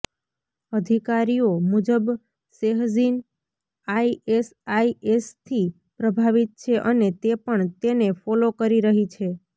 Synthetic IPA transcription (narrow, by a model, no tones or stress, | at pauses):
əd̪ʱikaɾijomud͡ʒəb | seɦzin | aiesaiest̪ʰi | pɾəbʱaʋit̪̚t͡ʃʰeʔənet̪epəɳt̪enefɔlokəɾiɾəɦit͡ʃʰe